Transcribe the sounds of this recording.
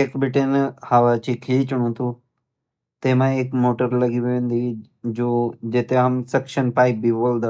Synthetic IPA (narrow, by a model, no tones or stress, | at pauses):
ekbɪʈenhaʋat͡ʃikʰit͡ʃʊɽ̃ũːt̪ʰu | t̪emãeːkmoːʈəɾlɐɡiʋʋẽːnd̪i | d͡ʒoːd͡ʒet̪eɦɐmsekʃənpaːip̚biʋold̪a